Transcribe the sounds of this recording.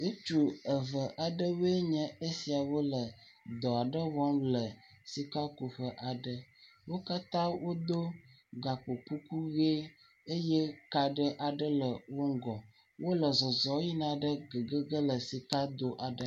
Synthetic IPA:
e˦t͡ʃu˦ə˨və˨ʔa˨ɖə˦we˦ɲɛ̃˦e˦si˨a˨wo˦lə˨ | d̪ɔ˨a˨ɖə˦vɔ˦mlə˨ | si˨ka˦ku˨ɸə˦ʔa˨ɖə˦ | wo˦ka˦t̪ã˦wo˦d̪o˦ | ɡa˨k͡po˨ku˦ku˦ɣe˦ | e˦je˦ka˨ɖə˦ʔa˨ɖə˦lə˨wo˦ŋ̩˦ɡɔ˨ | wʔo˦lə˨zɔ˨zɔ˨˦ji˦nã˨ɖə˦ɡə˨ɡə˦ɡə˦lə˨si˨ka˦d̪o˦ʔa˨ɖə˦

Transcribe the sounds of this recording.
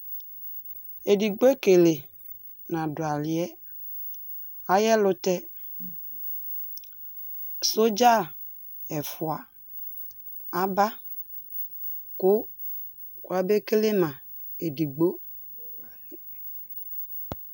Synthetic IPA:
e˨di˨ɡ͡bo˦e˦ke˨le˨ | nã˨dʊ˨a˨lɪ˨ɛ˦ | a˨˦jɛ˦lʊ˦tɛ˦ | so˦d͡ʒa˦˨ | ɛ˨fʊ˨a˨ | a˦ba˦ | kʊ˦ | kwa˦be˦ke˦le˦mã˨ | e˨di˨ɡ͡bo˦

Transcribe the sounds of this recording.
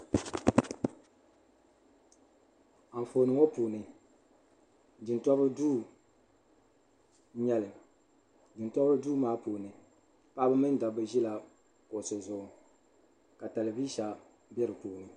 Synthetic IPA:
a˨ɱ̩˨fo˨nɨ˨ŋo˦puː˨nɨ˨ | dɨ˨ntɔ˦bɨ˦duː˦˨ | ɲɛ˦lɨ˨ | dɨ˨ntɔ˦bɨ˦duː˦maː˦puː˨nɨ˨ | pa˦bɨ˦mɨ˦n˦da˨bɨ˨ʒi˦la˨ | ko˨so˨zʊ˨ʊ˨ | ka˨ta˨lɨ˨bi˦ʃa˨ | bjɛ˦ɾɨ˨poː˨nɨ˨

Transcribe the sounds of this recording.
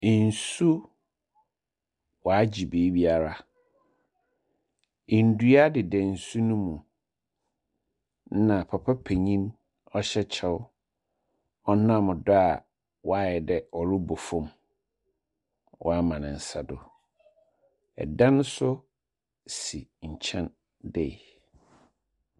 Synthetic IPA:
n̩˨su˦ | wɔ˨a˦d͡ʑi˨beː˨˦bi˦a˨ɾa˨ | n̩˨˦du˦a˦dɪ˨dɛ˨n̩˨su˦nũ˦mũ˨˦ | nã˨pʰa˨pʰa˦pʰe˨ɲĩ˦n | ɔ˦ɕɛ˦t͡ɕʰɛ˦w | ɔ˦nã˦˨mʊ̃˨dɔ˦a˨ | wɔ˦a˦˨ɛ˨dɛ˨ɔ˨ɾʊ˦bʊ˨fʊ̃˦m | wʔɔ̰˦a˦mã˨nɪ̃˨n̩˨sa˨dʊ˨ | ɛ̰˨dã˦n˦sʊ˦ | si˨ɲ̩˨t͡ɕʰɛ̃˦n | dɛ˨

